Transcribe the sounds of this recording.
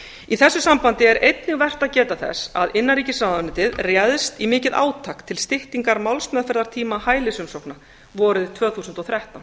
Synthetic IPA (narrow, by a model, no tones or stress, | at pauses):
iθɛsːʏsampant̪ɪɛɾʔejt̪nɪɣvɛr̥t̪aðcɛːt̪aθɛ̰saðɪnːaɾiːcɪsaːðanɪt̪ɪðrjɛðst̪imɪːcɪðʔa̰ːwt̪ʰakt̪ʰːɪlst̪ɪht̪iŋkaɾmawlsmɛðfɛɾðaɾ̥t̪ʰiːmahaːjlɪsʏmsowkna | vɔːɾɪðt̪ʰvœːθuːsʏnt̪ɔɣθɾjaht̪awn